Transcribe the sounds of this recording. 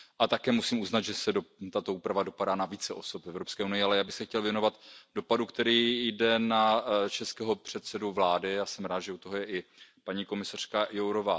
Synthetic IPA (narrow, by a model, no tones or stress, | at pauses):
ʔat̪akɛːmusiːmuznat̪ʒɛsɛdot̪at̪o̞uːpɾavado̞padaːnaviːt͡sɛʔo̞so̞pvɛvɾopskɛːunɪjɪalɛjaːbɪxsɛxcɛlvjɛno̞vat̪do̞padukt̪ɛɾiːjdɛnat͡ʃɛskɛːɦo̞pr̝̥ɛt̪sɛduvlaːdɪjaːsɛmɾaːt̪ʒɛut̪oɦojɛʔɪpaɲiːko̞mɪsar̥kajowɾovaː